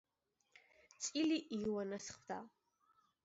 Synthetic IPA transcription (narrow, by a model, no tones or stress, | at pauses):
t͡sʼiliʔijwanasχd̪a